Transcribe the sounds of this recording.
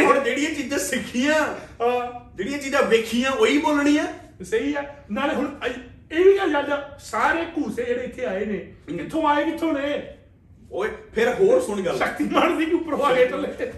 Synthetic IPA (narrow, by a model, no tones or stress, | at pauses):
oɽd͡ʒeːɽɪĩjãːt͡ʃiːd͡ʒãːsɪkʰːijãːɦãːd͡ʒeːɽɪĩjãːt͡ʃiːd͡ʒãːʋeːkʰijãːoːiːboːlɳĩːãː | səiːɛːnaːleɦʊɳə | eːiːɡaːd͡ʒaːdaːsaːɾeːkuːsẽːd͡ʒeːɽeːɪt̪ʰːeːaːeːneːkɪt̪ʰːõːaːeːkɪt̪ʰːõːnẽː | oːpʰɪɾɦoːɾsʊɳɡələkt̪iːbaɳd̪iːʊpɾaːɡeːtəle